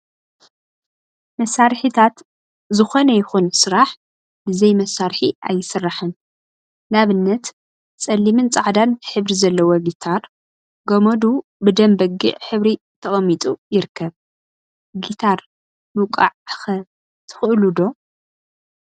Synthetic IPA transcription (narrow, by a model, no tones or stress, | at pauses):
mɐsːaɾħit̪ʰat̪ | zɨxo̞nɐjɪxunsɨɾaħ | bɨzɐjmɐsːaɾħiʔa̰jːɪsɨrːaħɨn | naβɨnːɐt̪ | sʼɐlːimɨnt͡sʼaʕd̪anħɨβɾizɐlːɐwɐɡit̪ʰaɾ | ɡomod̪ubɨd̪ɐmbɐɡɨ̰ʕħɨβɾi | t̪ʰɐχʼɐmːit̪ʼujɪɾɨkʰːɐβ | ɡit̪ʰaɾ | mɨkʼa̰ʕxɐ | t̪ʰɨ̥xɨʔlud̪o̞